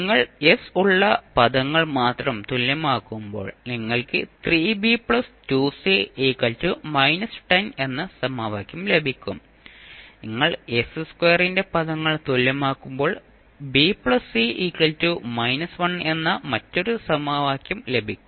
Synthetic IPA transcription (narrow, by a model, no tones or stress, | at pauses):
niŋːɐɭe̞suɭːɐpɐðɐŋːɐɭmaːt̪rɐmt̪ulːɐmaːkːumbo̞ːɭniŋːɐɭkɨt̪riːbipɭɐstuːsiiːkːɐltːumɐjnɐsʈɐne̞nːɐsɐmaːʋaːkʲjɐmle̞bʱikʲːum | niŋːɐɭe̞sɨskwerinde̞pɐðɐŋːɐɭt̪uljɐmaːkːumbo̞ːɭ | biːpɭɐsiiːkːɐltumɐjnɐsʋɐne̞nːɐmɐtːo̞ɾusɐmaːʋaːkʲjɐmle̞bʱikʲːum